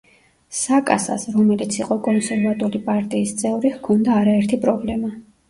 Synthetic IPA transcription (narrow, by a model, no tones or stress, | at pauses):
sakʼa̰sa̰sɾɔmɛlit̪sʰiqʼɔkʼɔnsɛɾvat̪ʼulipʼaɾt̪ʼiːst̪sʼʰɛuɾihkʰɔnd̪aːɾaɛɾt̪ʰipʼɾɔblɛma